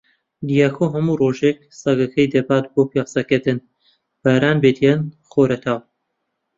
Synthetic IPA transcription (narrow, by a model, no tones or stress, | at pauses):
d̪ijakʰoːɦɐmuːroːʒek̚sɐɡɐkʰɐjd̪ɐbaːt̪boːpeqsɐket̪ɨn | b̥aːɾaːnbed̪ijɛn | χoːɾɐt̪ʰaːw